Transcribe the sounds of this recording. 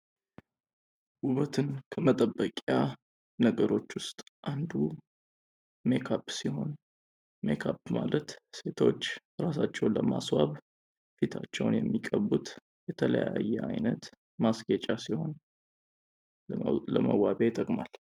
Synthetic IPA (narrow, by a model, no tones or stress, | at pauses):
ʔuβət̪ʰɨnkʰəmət̪ʼəbːəkʼa | nəɡəɾo̞t͡ʃːwʊst̪ʼʔand̪u | mekʰapːsiho̞n | mekʰapmalət̪se̞t̪ʰo̞t͡ʃː | ɾasat͡ʃːɛwnləma̰swaβ | fit̪ʰat͡ʃːɛwnjɛmːikʼəβut̪ | jɛt̪ʰələja̰jːɛa̰jnət̪ | masɡet͡ʃʼasiho̞n | ləməwaβet̪ʼəkʼmal